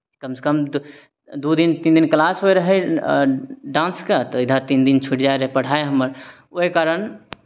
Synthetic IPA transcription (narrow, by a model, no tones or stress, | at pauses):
kəmse̥kəm | d̪ud̪int̪ind̪inklasɦoeɾəɦɛ | ɖãnskat̪ɔɪd̪ʱat̪ind̪int͡ʃʰuʈd͡ʒaeɾəɦɛpəɽ̤aeɦəməɾ | oɦekaɾən